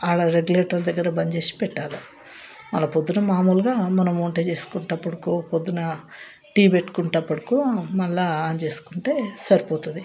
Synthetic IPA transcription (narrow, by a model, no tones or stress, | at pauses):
aːlɐɾeɡuleːʈɐɾd̪ɐɡːɐɾɐbɐɲd͡ʒe̞ːsi̥pɛʈːaːlu | mɐ̰lːɐpod̪ːunɐmaːmuːlɡaːmɐnɐmːoːɳʈet͡ʃe̞ːsu̥kuɳʈɐpːɐɽɐkoːpod̪ːunɐ | ʈiːbe̞ʈːu̥kuɳʈɐpːɐɽɐkuːmɐɭːaːaːnt͡ʃe̞ːsu̥kuɳʈeːsɐɾipoːt̪ud̪i